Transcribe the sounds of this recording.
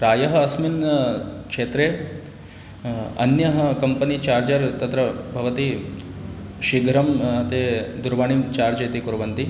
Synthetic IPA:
ɾaːjɐɦɐɐsminkʂeːt̪ɾeː | ɐ̰njɐɦɐkɐmpənit͡ʃaːɾd͡ʒɐɾt̪ɐt̪ɾɐbʱɐʋɐt̪i | ʃiɡʱɾɐmt̪ed̪uɾʋaɳ̃imt͡ʃaːɾd͡ʒeːt̪ikuɾɐʋɐnt̪i

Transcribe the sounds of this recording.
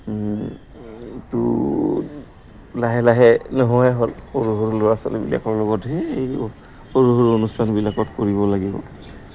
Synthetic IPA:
tṵ | laɦɛlaɦɛnɔɦɔɛɦolxoɹuɦoɹuloɹasɔ̰lɛ̰bḭla̰kɔɹlɔɡɔtɦɛej | xoɹuɦoɹonustʰanbilakɔtkoɹiβɔlaɡibɔ̰

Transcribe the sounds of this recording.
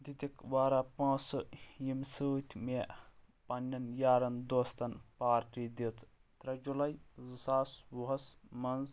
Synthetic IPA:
d̪id̪ikbaːɾapãːsjimsɨːt̪ʲʰme | pɐnʲːɐnjaːɾɐnd̪ost̪ɐnpaːɾʈid̪it̪ʰ | t̪ɾɐd͡ʒulɐjzɨsaːsʋuɦɐsmɐnz

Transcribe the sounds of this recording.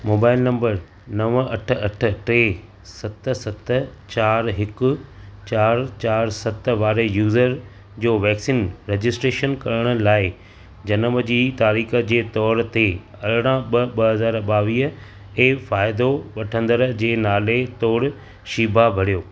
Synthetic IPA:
moːbaːɪlnɐ̃mbəɾ | nɐʋɐʈ̆ʰɐʈʰə̆ʈeː | sɐt̪sɐt̪ʰə̆ | t͡ɕaːɾɦɪkʊ̆t͡ɕaːɾt͡ɕaːɾsɐt̪ʋaːɾejuːzəɾ | d͡ʑoːʋɛːksiːnɾeːd͡ʑɪsʈɾeːʃənkɐɾəɽ̃ʊ̆laːɪ | d͡ʑɐnəməd͡ʑiːt̪aːɾiːxə̆d͡ʑeːt̪ɔːɾt̪e | ɐɾɽ̃ãɓɐɓɐɦɐzaːɾɓaːʋiːɦə | eːfaːɪd̪oʋɐʈʰə̃nd̪əɾd͡ʑeːnaːlet̪oːɽ | ʃiːbʱabʱɐɽijoː

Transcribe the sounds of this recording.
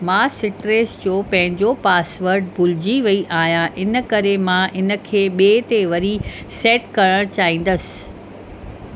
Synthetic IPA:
mãːsɪʈɾeːsd͡ʑoːpɐ̃ɦɪ̃ɲd͡ʑopaːsʋəɾɖbʱʊlɪd͡ʑiʋɐiʔaːɦijãʔɪnə̆kɐɾemãʔɪnə̆kʰeːɓeːt̪eʋɐɾi | sɛːʈkɐɾəɽ̃t͡ɕaːɦĩːn̆d̪əsɪ̥̆

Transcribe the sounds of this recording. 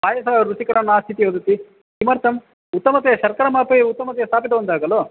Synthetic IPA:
baːjɐsɐaɾusikɐɽɐnːaːst̪ʰit̪iʋɐd̪ut̪i | kimɐɾt̪ʰɐm | ut̪ːɐmɐt̪ɛjɐʃɐɾkɐɾɐmaːpɐjut̪ːɐmɐt̪̬ɛjɐst̪ʰaːpid̪ɐbɐnd̪aːɡɐloː

